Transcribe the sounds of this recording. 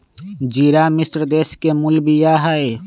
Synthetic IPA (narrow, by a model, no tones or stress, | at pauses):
d͡ʒiːɾamɪsɾd̪eːskemʊlbijaɦəe